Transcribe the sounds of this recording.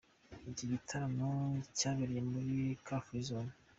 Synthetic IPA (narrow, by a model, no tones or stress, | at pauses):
ibɟiɡitʰaɾanocaːβiɾijemuɾikaːfuizona